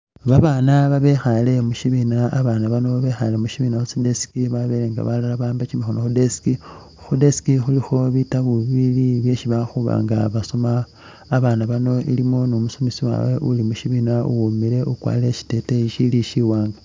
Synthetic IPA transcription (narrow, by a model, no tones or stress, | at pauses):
βaβaːnaβaβe̞xale̞muʃiβinaaβaːnaβano̞βexale̞muʃiβinaxusidesi̥kiβaβe̞leːŋɡa̰βalalaβaːmbat͡ʃimixonoxudesi̥ki | xudesi̥kixulixo̞βitaβuβiliβje̞ʃiβaxuβa̰ːŋɡaβasomaː | βaːnaβano̞ʔḭlimo̞nomusomisiwa̰we̞̰ʔulimuʃiβinaṵomiɾe̞ukwa̰le̞ʃi̥te̞teiʃiliʃiwaːŋɡa